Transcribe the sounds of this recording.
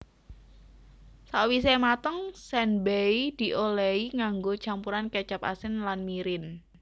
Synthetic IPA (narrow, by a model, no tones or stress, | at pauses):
sawisɛmat̪əŋsɛnbɛjd̪̥i̤ʔolɛiŋaŋɡot͡ʃampuɾankɛt͡ʃap̚a̰sɪnlanmiɾɪn